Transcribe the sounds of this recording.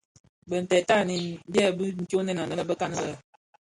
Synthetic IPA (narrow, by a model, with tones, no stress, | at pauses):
bə˨n̩˨tɛ˨ta˦˨ni˦n˦bɛ˦˨bɨ˦n̩˨ko˦nɛ˦˨na˨nə˦ə˦˨bə˦ka˦nə˦lə˦